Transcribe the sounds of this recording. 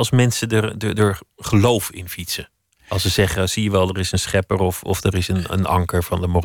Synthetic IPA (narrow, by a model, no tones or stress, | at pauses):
lˠsmɛnsədəɹdədəɹχəlowfɪ̰nfitsə | ɑlˠsəzɛχəsijəʋɛlˠdəɹɪsənsχɛpəɹɔfɔ̰fdəɾɪsənə̰nɑ̰ŋkəɹvɑndəmo